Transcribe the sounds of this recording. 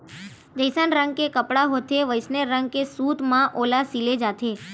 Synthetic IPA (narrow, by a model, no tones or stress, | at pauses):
d͡ʒəjsanɾəŋɡ̚kekəpɽaɦot̪ʰeʋəjsneɾːə̃ŋɡkesut̪mãʔolasiled͡ʒat̪ʰe